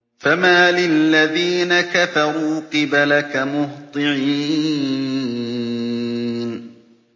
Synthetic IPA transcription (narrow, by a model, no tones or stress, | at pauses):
famaːlɪlːaðiːnakafɑɾuːqɨbalakamʊht̪ˤɨʕiː | n